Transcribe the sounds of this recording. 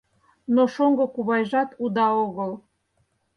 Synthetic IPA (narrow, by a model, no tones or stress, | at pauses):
noʃoŋɡokuβɑjʒɑt̪ud̪ɑoɣəlˠ